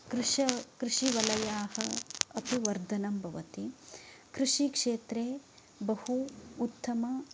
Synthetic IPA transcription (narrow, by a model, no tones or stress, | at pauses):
kɾʃɐkɾuʂiʋɐlɐjaːhɐɐpiʋɐɾd̪ʱɐnɐmbʱɐʋɐt̪ikɾuʂikʂeːt̪ɾeː | bɐhuːt̪ːɐmɐ